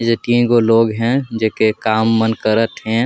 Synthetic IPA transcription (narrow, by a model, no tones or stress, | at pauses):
d͡ʒət̪iẽkoloːɡɦɛ̃d͡ʒekekaːmːənkəɾət̪ɦɛ̃